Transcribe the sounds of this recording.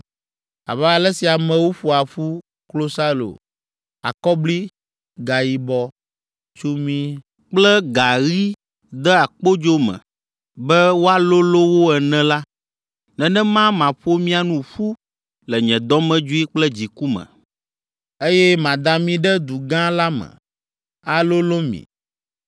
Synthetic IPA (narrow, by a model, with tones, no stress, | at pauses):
a̰˨bɛ˦a˨lɛ˦si˨a˨mɛ̃˨wo˦ɸu˨a˨ɸu˦ | klo˦sa˦lo̰˨ | a̰˨kɔ˦bli˦ | ɡa˨ji˨bɔ˦ | t͡ʃu˦mĩ˦ | k͡plɛ˦ɡa˨ɣi˦ | d̪ɛ˦a˨k͡po˦d͡ʒo˦mɛ̰̃˨ | bɛ˦wo˦a˦lo˦lo˦wo˦ɛ˨nɛ̃˦la˦ | nɛ̃˨nɛ̃˦mã˦mã˨ɸo˦mĩ˦a˨nũ˦ɸu˦ | lɛ˨ɲɛ̃˨d̪ɔ˦mɛ̃˦d͡ʒu˦i˦k͡plɛ˦d͡ʑi˨ku˦mɛ̰̃˨ | e˦jɛ˦mã˨d̪ã˨mĩ˦ɖɛ˦d̪u˨ɡã˦la˦mɛ̰̃˨ | a˨lo˦lo˦mḭ̃˨